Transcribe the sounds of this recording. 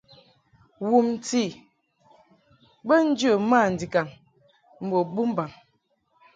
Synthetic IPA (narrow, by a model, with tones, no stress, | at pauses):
wu˨m˨ti˦˨ | bə˦n̩˦d͡ʒə˦˨ma˦˨n̩˨di˨ka˨n | m̩˨bo˨bu˦m˦ba˨ŋ